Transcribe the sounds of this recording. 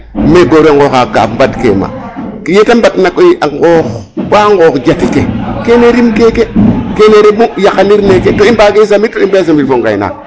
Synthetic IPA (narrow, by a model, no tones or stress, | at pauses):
meɡoɾiaŋɡoxaka̰fmbatkḛma̰ | jetambatnakoiʔaŋɡoxbaŋɡoxd͡ʒatikekeneɾimkekekeneɾebujakaniɾneketoimbakeis̬amittːoimbes̬ambifoŋɡa̰jna̰